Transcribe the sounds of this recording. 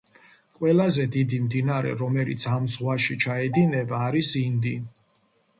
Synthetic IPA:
kʼwɛlazɛd̪id̪imd̪inaɾɛ̰ɾɔmɛlḭt̪sʰamzʁwaʃit͡ʃʰaɛd̪inɛbaːɾisind̪i

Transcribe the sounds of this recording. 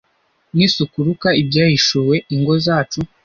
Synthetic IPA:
nisukuɾukaibɟaːhiʃuwe̞iŋɡo̞zaːt͡ʃu

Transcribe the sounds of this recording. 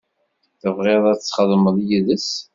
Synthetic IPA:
θəvʁeðˤæt͡sːχəðˤməðˤjiðəs

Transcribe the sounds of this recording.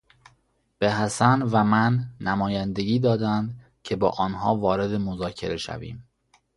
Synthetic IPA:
b̥eɦæsænvæmænːæmɒːjænd̪e̞ɟiːd̪ɒːd̪ænd̪ | cʰe̞bɒːʔɒːnhɒːvɒːɾe̞d̪e̞mozɒːcʰe̞̰ɾe̞ʃæ̰vḭːm

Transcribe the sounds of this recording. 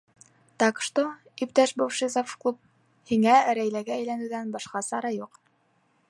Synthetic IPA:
t̪ɑq̆ʃt̪o | ip̚t̪æʃbowʃizofklˠup̚ | hiŋæɾæjlæɡæːjlænʉ̆wðænbɑʃqɑsɑɾɑjuq

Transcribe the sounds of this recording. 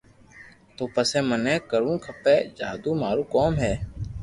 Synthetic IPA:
t̪oːpəsẽːmənɛ̃ːkəɾũːkʰəpeːd͡ʒaːd̪ũːmaːɾuːkoːmɦɛː

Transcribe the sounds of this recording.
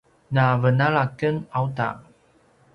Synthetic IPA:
navənaɭakənawta̰

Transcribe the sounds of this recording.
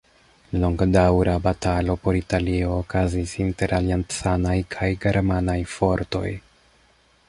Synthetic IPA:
lo̞ŋɡdawɾʔabatalo̞po̞ɾitalio̞ːkazisinte̞ɾʔaliantsanajkʰajɡe̞ɾmanajfo̞ɾto̞̰j

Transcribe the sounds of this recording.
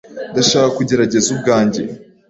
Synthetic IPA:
ndaʃaːkakuɟe̞ɾaɟe̞zub̚ɡaːɲɟe̞

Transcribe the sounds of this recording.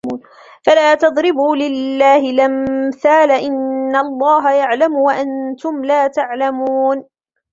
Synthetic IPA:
n | falaːt̪ɑðˤɾɪbuːlɪlːaːhɪlamθaːlaʔɪnːalˤːɑːɦajaʕlamʊwaʔant̪ʊmlaːt̪aʕlamuːn

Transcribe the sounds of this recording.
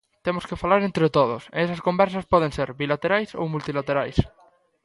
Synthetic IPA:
t̪emoskefalaɾẽnt̪ɾet̪oð̞ʊsḛɛsɐskombɛɾsɐspɔð̞ẽŋseɾbilat̪eɾajso̰wmult̪ilat̪eɾajs

